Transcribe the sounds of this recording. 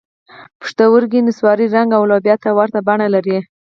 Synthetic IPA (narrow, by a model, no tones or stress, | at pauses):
pə̥ʂt̪awəɾɡinɪswɑɾiɾaŋɡawlɑbjɑt̪awaɾt̪abaɳalaɾi